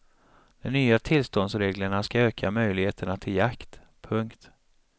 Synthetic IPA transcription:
d̪̥ɔmnyːat̪ʰɪlst̪ɔnd̪sɾeːɡləɳaskaøːkʰamœjlɪɡheːt̪ʰəɳat̪ʰɪljakt̪ | pʰɵŋkt̪

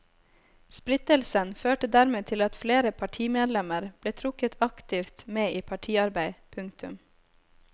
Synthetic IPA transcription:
splɪt̪əlsənføːʈəd̪æːɾmeːt̪ʰɪlɑt̪fleːɾəpʰɑʈʰiːmeːd̪lɛməɾb̥leːt̪ʰɾʊkət̪ʰɑkt̪ɪft̪meːʔiːpʰɑʈʰiːɑɾbæɪpʰʉŋkt̪ʰʉm

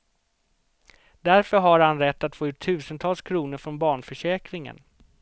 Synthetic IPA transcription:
d̪æɾfœɾɦaɾhanɾɛt̪ːat̪foːʉ̟ːʈ̪ʰːʉ̟ːsənt̪ʰɑːlskʰɾuːnəɾfɾɔnbɑːɳfœʂɛːkɾɪŋə̰n

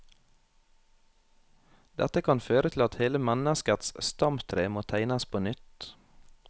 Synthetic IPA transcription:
d̪̥ɛt̪əkʰɑnføːɾət̪ʰl̩ɑt̪heːləmænəskət̪sst̪ɑmt̪ʰɾeːmoːt̪ʰæɪnɑspʰoːnʏt̪

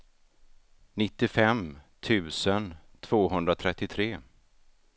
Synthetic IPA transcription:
nɪt̪ːɪfɛmt̪ʰʉ̟ːsənt̪ʰv̥oːɦɵnd̪ɾat̪ʰɾɛt̪ːɪt̪ʰɾeː

